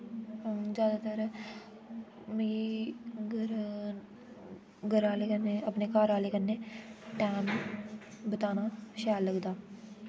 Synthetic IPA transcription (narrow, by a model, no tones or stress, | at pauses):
zjaːd̪aːt̪əɾ | mẽi | ɾ | ɡəɾaːleːkənːeːəpneːkaːɾaːleːkənːeːʈɛːm | bət̪aːnaːʃaːllːəɡd̪aː